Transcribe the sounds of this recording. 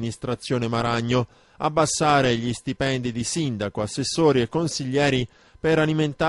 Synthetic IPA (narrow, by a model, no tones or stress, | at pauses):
nist̪ɾat̪sːjoːnemaɾaɲːo | a̰bːasːaːɾeʎist̪ipɛnd̪id̪isind̪akoasːesːoːɾiekːonsiʎːɛːɾi | peɾaliment̪a